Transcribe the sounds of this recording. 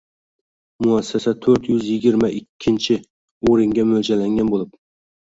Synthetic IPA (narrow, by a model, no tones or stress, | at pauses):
mʊasːasat̪ʰɵɾt̪jʏzjɪɡʲɪɾmaʔɪkʲʰːɪnt͡ʃʰɪ | oɾɪŋɡʲamɵld͡ʒalaŋɡʲanbolˠɪp̚